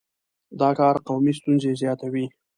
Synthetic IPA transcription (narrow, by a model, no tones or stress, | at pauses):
d̪ɑkɑɾqawmist̪unzezjɑt̪awi